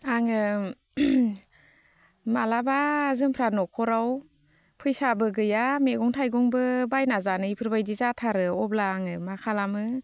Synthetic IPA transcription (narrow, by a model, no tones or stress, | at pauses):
aŋɯ | malabazɯŋpʰɾanɔkʰɔɾaw | pʰɯjsabɯɡɯjameɡɔŋtʰajɡɔŋbɯbajnazanɯipʰɯɾbajdizatʰaɾɯɔb̚laːŋɯmakʰalamɯ